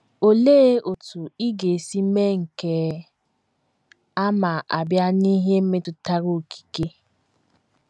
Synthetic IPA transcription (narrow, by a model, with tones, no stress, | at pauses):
o˨le˦o˨tu˨i˦ɡe˨si˦me˦ŋ̩˨ke˨ | a˦ma˨ʔa˨bja˦ni˦ɦe˦m̩˦me˦tʊ˨ta˦ɣo˨ki̥˨ke˦